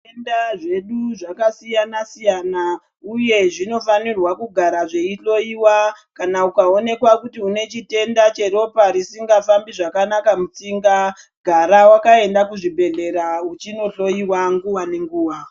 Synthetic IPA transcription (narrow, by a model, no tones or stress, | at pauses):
endaʐe̞ɗuʐakasijanasijana | uje̞ʐino̞fanirwakuɡʱaɾaʐe̞iɬo̞iwakanaukao̞ne̞kwakutiune̞t͡ʃite̞ndat͡ʃe̞ɾo̞paɾisiŋɡafambiʐakanakamut͡siŋɡa | ɡʱaɾawakae̞ndakuʐibʱe̞ɮe̞ɾaut͡ʃino̞ɬo̞iwaŋɡuwane̞ŋɡuːwa